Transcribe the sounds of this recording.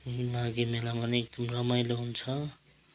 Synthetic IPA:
maɡimelamʌnek̚d̪ʌmɾʌmajleɦunt͡sʰʌ

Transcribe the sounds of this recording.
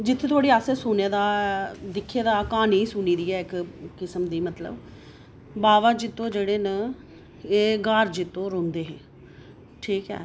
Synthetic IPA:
d͡ʒɪt̪ʰːeːt̪ʰoaːɽiːaːseːsʊːneːd̪aːd̪ɪkʰːeːd̪aːkaːniːsuːniːd̪iːɛːɪkkɪsəmd̪iːmət̪lə̰b | baːʋaːd͡ʒɪt̪ːõːd͡ʒeːɽeːnə | eːɡaːɾd͡ʒɪt̪ːõːɾoːmd̪eːɦeː | ʈʰiːkɦɛ̰ː

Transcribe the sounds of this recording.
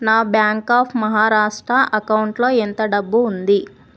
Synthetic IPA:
naːbjaːŋkaːpʰmɐɦaːɾaːʂʈɾɐʔɐkɐwɳʈloːent̪ɐɖɐbːuːnd̪i

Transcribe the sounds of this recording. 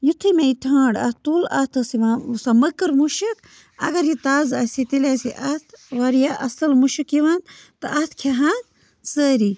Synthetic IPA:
jut̪ʰimeit̪ʰãːɳɖɐ̰t̪ulɐ̰t̪ʰɐsiʋãːsaməkɨɾmuʃik | ɐ̰ɡɐɾjit̪aːzɐsit̪ilaːsiʔɐt̪ʰʋɐɾjaʔɐsɐlmuʃikjiʋaːnt̪ɨʔɐt̪ʰkʰeɦaːn | səːɾi

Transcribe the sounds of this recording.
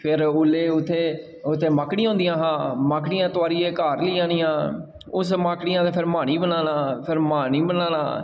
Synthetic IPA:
pʰɪɾʊlːeːʊt̪ʰːeː | ʊt̪ʰːeːmaːkɽĩːɦõʊ̃ːnd̪ijãːɦãːmaːkɽijãːt̪ʊaːɾiːeːkaːɾliːãːniːãː | ʊsmaːkɽiːãːt̪eːpʰɪɾmaːñiːbənaːnãːpʰɪɾmaːniːbənaːna̰ː

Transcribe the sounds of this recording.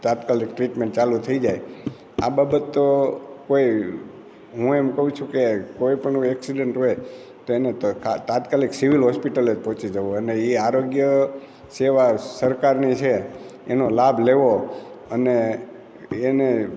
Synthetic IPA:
t̪at̪kalik̚ʈɾiʈmẽɳʈ̚t͡ʃalut̪ʰəid͡ʒaj | a̰babət̪ːokoi | ɦũemkəɦũt͡ʃʰũkekoipəɳũɛksiɖəɳʈɦoj | t̪oenekʰat̪at̪kaliksiʋilɦɔspiʈəled͡ʒpɔ̃t͡ʃid͡ʒəʋoəneiaɾoɡjə | seʋasəɾkaɾnit͡ʃʰeːnolabʱleʋo | əneː | ne

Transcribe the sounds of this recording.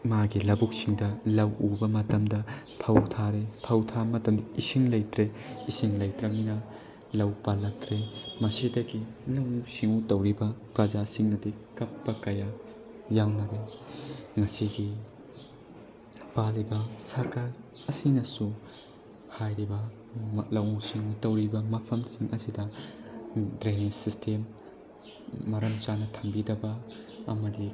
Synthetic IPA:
maɡilɐbuk̚siŋdɐlɐwubɐmɐtɐmdɐ | tʰɐwtʰaɾetʰɐwtʰamɐtɐmdɐisiŋlɐjtɾeisiŋlɐjtɾɐminɐ | lɐwpalɐtɾemɐsidɐɡilɐŋuksiŋutɐwɾibɐkɐzasiŋnɐdikɐpːɐkɐja | jawnɐɾe | ŋɐsiɡi | palibɐsɐɾkal | ɐsinɐsu | hajɾibɐ | lɐwusiŋutɐwɾibɐmɐpʰɐmsiŋʔɐsidɐ | dɾejnisistʰem | ɐɾɐmt͡ʃanɐtʰɐmbidɐbɐɐ̰mɐdi

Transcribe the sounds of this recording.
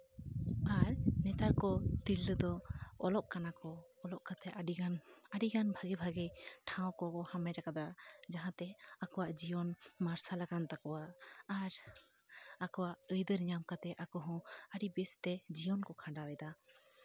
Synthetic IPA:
aɾnɛt̪aɾkɔt̪ilːəd̪ɔɔlɔʔkanakɔːlɔʔkat̪ɛʔaɖianəɖiɡanbʱaɡibʱaɡɛjʈʰãw̃kɔhamɛɾakad̪ad͡ʒaɦãt̪ɛakɔwaʔd͡ʒijɔnmaɾsalaɡant̪akɔwaːɾ | akɔwaʔəjd̪əɾɲamkat̪ɛʔakɔɦɔ̃əɽibɛst̪ɛd͡ʒijɔnkɔkʰãɖawɛd̪a

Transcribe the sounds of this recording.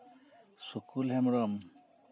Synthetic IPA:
sukʰulɦɛmɹɔm

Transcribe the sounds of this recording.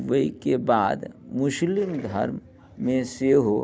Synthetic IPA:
ʋəikebaːd̪mʊʃlɪmd̪ʱɐ̰ɾm | mẽseɦo

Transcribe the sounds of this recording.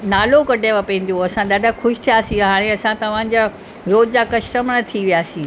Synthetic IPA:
naːlokɐɖʱeʋapɐ̃ĩn̆d̪ijoɐsãɗaːɖʱəxʰʊʃɪ̥t̪ʰijaːsĩɦaːɽ̃eɐsãt̪ɐʋ̤ã̆d͡ʑa | ɾoːd͡ʑd͡ʑaːkɐʃʈəmɽ̃ɐt̪ʰiʋijaːsĩː

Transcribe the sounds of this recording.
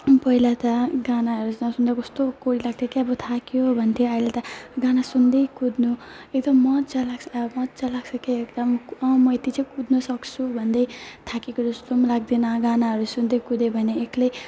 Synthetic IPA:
pʌɦilat̪ʌɡanaɦʌɾusʌsund̪akʌst̪okoɾilaɡ̚t̪ʰjekeʌbʌt̪ʰakijobʱʌnt̪ʰjeailet̪ʌɡanasund̪ʌjkud̪nu | ek̚d̪ʌmːʌt̪̚t͡salaɡsʌmʌt̪̚t͡salaɡsʰʌkeekd̪ʌmʌmʌet̪it͡sʌ̃jkud̪nʌsʌkt͡sʰubʱʌnd̪ʌjt̪ʰakjekod͡zʌst̪omlaɡ̚d̪inʌɡanaɦʌɾusund̪ejkud̪ebʱʌneːklej

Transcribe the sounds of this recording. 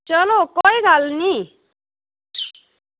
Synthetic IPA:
t͡ʃʌlokɔjɡʱalni

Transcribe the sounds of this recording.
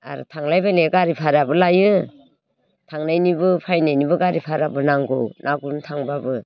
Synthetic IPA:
a̰ɾṵtʰaŋlajbajneɡaɾipʰaɾabɯlajɯ | tʰaŋnajnibɯpʰajnajnibɯɡaɾipʰaɾabɯnaŋɡo̰wnʔaɡuntʰaŋbabɯ

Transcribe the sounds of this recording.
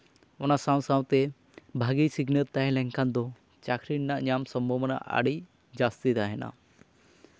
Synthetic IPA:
ɔnasãw̃sawt̪ɛ | bʱaɡisiɡnəɾt̪aɦɛ̃lɛŋkand̪ɔ | t͡ʃakʰɾinnaʔɲamsɔmbʱɔbəna̰ʔa̰ɽi | d͡ʒast̪it̪aɦɛna̰

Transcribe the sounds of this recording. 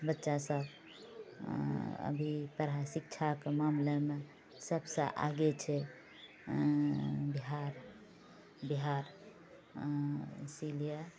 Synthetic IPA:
bətːʃasəb | ə̰bʱipəɾasik̚t͡ʃʰakemamleme | səbsə̰ʔa̰ɡet͡ʃʰɛ | biɦaɾ | biɦaɾ | silije

